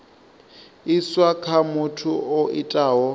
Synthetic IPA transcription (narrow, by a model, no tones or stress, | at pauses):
iswakʰamʊtʰuoʔitʼaːɦɔ